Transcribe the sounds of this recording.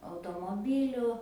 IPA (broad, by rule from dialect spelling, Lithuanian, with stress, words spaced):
ɐʊtoːmoːˈbʲiːlʲʊ